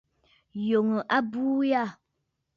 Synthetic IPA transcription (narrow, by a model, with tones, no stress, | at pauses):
jo˨ŋə˨ʔa˦buː˦ja˦˨